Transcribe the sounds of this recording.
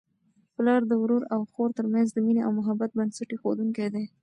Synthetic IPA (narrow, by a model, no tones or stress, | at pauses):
plɑɾd̪əwɾuɾawxoɾt̪əɾmanzd̪əmineawmʊɦabat̪̚bansaʈexod̪uŋkajd̪e